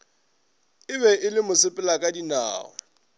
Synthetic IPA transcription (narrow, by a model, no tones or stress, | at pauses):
ɪbɛʔɪlɪmʊsɪpʼɪlakʼadina̰ːɔ̰